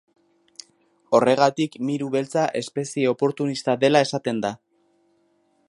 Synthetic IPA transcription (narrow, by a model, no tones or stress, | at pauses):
o̞re̞ɣ̞at̪ikmiɾuβe̞lt͡saʔe̞spe̞sieo̞po̞ɾt̪unist̪aðe̞lae̞sat̪e̞nd̪a